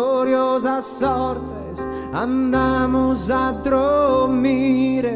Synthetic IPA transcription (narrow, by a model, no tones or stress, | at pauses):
oɾjozasːɔɾt̪es | and̪amozad̪ɾomiɾe